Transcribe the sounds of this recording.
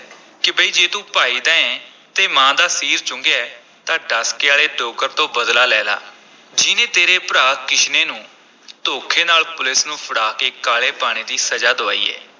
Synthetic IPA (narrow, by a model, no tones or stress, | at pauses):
kɪbəiːd͡ʒeːt̪ũːpaːiːd̪ãːɛ̃ː | t̪eːmãːd̪aːsiːɾt͡ʃʊ̃ŋɡeɛː | t̪ãːɖaːskɪaːleːɖoːkəɾt̪õːbəd̪laːlɛːla̰ː | d͡ʒɪnẽːt̪eːɾeːpəɾaːkkɪʃneːnũː | t̪oːkʰeːnaːlpʊlɪsnũːpʰəɽaːkeːkaːleːpaːɽ̃eːd̪iːsəd͡ʒaːd̪oa̰ːḭːɛ̰ː